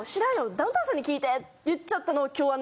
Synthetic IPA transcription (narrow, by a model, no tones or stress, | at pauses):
ɕiɾãɰ̃jod̪aɯ̃t̪ãs̬ãɲ̟ːikʲiːt̪e̞t | jɯt͡ɕt͡ɕːat̪ːano̞ːkʲoːβan